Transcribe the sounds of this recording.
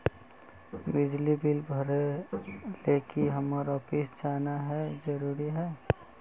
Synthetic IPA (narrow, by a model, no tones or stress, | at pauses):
bɪd͡ʒlibɪlbʱəɾe | leːkiɦəməɾɔːpɪsd͡ʒaːnaɦɛd͡ʒəɾuːɾiɦɛː